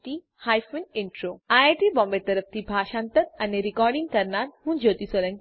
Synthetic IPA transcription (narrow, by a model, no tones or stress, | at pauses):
t̪i | haːjfuneɳʈɾoːaːaʈibɔ̃mbet̪ɐɾəp̚ʰt̪ʰibʱaːʃãːnt̪əɾɐneɾikɔːɾɖĩŋɡkɐɾnaːt̪hũnd͡ʒoːt̪isələ̃ŋ